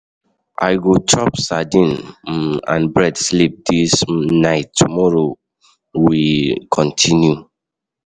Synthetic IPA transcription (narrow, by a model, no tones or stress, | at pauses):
ʔa̰ɪɡot͡ʃɔpsadĩn | ã̰nbɹɛdslip̚d̥isnaɪtːumɔɹo | wikʰɔ̃ntʰĩnju